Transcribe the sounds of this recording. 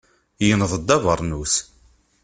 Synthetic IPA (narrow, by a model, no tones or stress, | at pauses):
jənðˤəd̪ːɑvəɾˤnus